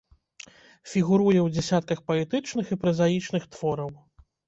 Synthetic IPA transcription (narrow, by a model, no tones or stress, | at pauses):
fʲiɣuɾujɛwd͡zʲɛsʲat̪̚kɐxpɐɛt̪ɨt͡ʂnɨxipɾɐzajit͡ʂn̪ɨxt̪vɔɾɐw